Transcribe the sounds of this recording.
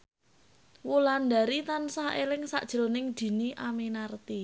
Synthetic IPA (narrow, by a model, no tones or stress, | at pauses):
wuland̪a̤ɾit̪ansahelɪŋsa̰ʔd̥ʒ̥ɾonɪŋd̪̥i̤niʔamenart̪i